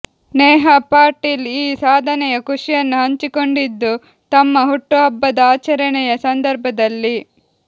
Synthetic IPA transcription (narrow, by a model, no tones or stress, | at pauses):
neːɦɐpaːɾʈiːliːsaːd̪ʱɐnɛjɐkuʂijɐnːuɦɐɲt͡ʃiko̞ɳɖid̪ːu | t̪ɐmːɐɦuʈːuɐbːɐd̪ɐaːt͡ʃɐɾɐɳɛjɐsɐnd̪ɐɾbʱɐd̪ɐlːi